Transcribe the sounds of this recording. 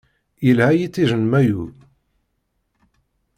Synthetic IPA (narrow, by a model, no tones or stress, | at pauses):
əlhæjit͡sːiʒənmæju